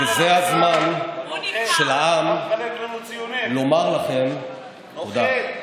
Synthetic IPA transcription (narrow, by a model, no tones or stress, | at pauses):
ezehazman | ʃe̞laʔam | lo̞maʁlaχe̞m | od̪a